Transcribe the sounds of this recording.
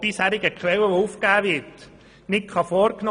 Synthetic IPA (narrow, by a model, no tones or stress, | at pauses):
b̥ɪshæɾɪɡəkχʋɛlwəʋoufkæːʋɪt | nɪkχɑfɔːɾknɔ